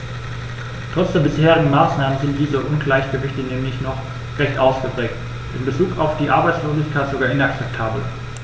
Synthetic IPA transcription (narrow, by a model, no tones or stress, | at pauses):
tʁ̥ɔt͡sd̥eːɐbɪsheːʁɪɡŋ̩maːsnaːmənzɪnt̚d̥iːzəʔʊnɡlaɪçɡ̥əvɪçtənɛːmlɪçnɔχ | ʁɛçtʔaʊsɡ̥əpʁ̥ɛːk̚t | ʔɪmbət͡suːkaʊfd̥iːʔaɐbaɪt͡sloːzɪçkʰaɪtz̥oɡaːɐɪnak̚t͡sɛp̚tʰaːbl̩